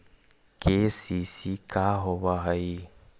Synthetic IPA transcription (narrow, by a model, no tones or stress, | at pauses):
kesisikaɦoβaɦəi